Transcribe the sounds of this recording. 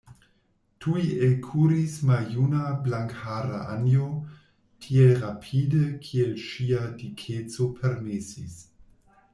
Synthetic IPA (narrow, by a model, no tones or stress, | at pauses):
tʰuielkʰuːɾismaljunablaŋkhaːɾa̰ʔa̰njo | tʰielɾapʰiːdəkʰielʃiadikʰet͡sopʰeɾmesis